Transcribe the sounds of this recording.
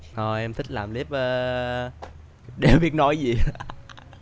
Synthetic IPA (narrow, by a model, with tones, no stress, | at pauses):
hʰo˧˩jʔɛ˧mt̪ʰï˦˥k̟̚laː˨˩mli˦˥əp̚ʔəː˨˦ | ɗe˨˩wɓi˦˥ət̚nɔ˨˦jzi˨˩